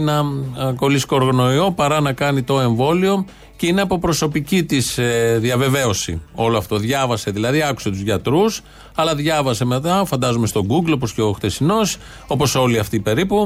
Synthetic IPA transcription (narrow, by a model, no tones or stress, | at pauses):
nɐko̞liskoːɾɣɐno̞io̞pɐɾɐnɐkɐnit̪o̞e̞ɱvo̞lio̞ | ceineɐpo̞pɾo̞so̞picit̪isðjɐve̞ve̞o̞sḭo̞loɐft̪o̞ðʝɐvɐse̞ðilɐðiɐku̥se̞t̪uzʝɐt̪ɾus | ɐlɐðʝɐvɐse̞me̞t̪ɐfɐnd̪ɐzume̞st̪o̞ɡuɡlopo̞sceo̞xθesino̞s | o̞po̞so̞liɐft̪ipe̞ɾipu